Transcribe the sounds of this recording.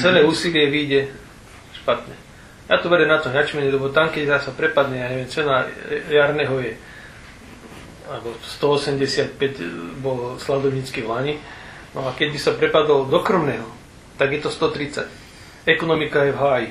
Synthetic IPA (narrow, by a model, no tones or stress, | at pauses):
t͡sɛlɛːuːsilɪɛʋiːɟɛ | ʃpat̪ɲɛ | jat̪ɔʋɛɾɛmnat̪ɔɲat͡ʃimɛɲɛlɛbɔt̪amkɛɟt̪asapɾɛpad̪ɲɛjaɲɛʋjɛmt͡siɔnajaɾnɛɦɔjɛ | albɔst̪ɔɔsɛmɟɛsɪat̪̚pɛɟbɔlslad̪ɔʊɲiːt͡skiʋlaɲi | nɔakɛɟbisapɾɛpad̪ɔld̪ɔkrɔmnɛːɦɔ | t̪aɡjɛt̪ɔst̪ɔt̪ɾit͡sa̰c | ɛkɔnɔmikajɛvɦaːji